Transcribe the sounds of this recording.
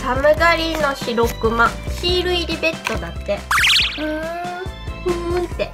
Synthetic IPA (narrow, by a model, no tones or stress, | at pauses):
samɯ̟ɡaɾʲino̞ɕiɾo̞kɯ̟mãɕiːɾɯ̟iɾʲibe̞t̪ːo̞d̪at̪ːe̞ɯ̟ | ɯt̪ːe